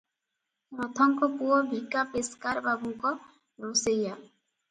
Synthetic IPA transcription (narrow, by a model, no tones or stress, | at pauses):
pɾɔt̪ʰɔŋkɔkuɔbʱikapeskaɾbabuŋkɔ | ɾoseja